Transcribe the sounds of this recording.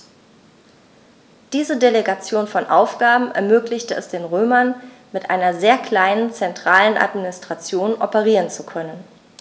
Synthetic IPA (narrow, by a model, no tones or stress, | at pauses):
d̥iːzədeleɡat͡sjoːnfɔnʔaʊfɡ̥aːbm̩ɛ̰ɐmøːklɪçtəɛsd̥eːnʁøːmɐn | mɪtʔaɪnɐzeːɐkl̥aɪnənt͡sɛntʁ̥aːlənʔa̰tminɪstʁ̥at͡sjoːnʔɔpəʁiːʁənt͡sukʰœnən